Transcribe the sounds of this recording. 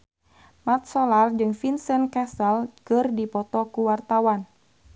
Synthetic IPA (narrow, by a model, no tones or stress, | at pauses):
mat̪̚sɔlard͡ʒɨŋfinsɛnkasəlkɨrdipɔt̪ɔkuwart̪awan